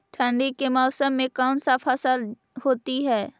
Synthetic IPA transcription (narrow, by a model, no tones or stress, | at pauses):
t̪ʰəɳɖikemɔːsəmːẽkaːnsafʰəsəl | hoːt̪iɦɛː